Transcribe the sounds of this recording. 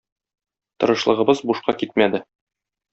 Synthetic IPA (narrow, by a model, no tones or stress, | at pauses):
t̪ɤ̆ɾɤ̆ʃlˠɤ̆ʁɤ̆bɤzbuʃqɑkit̪̚mæd̪ɘ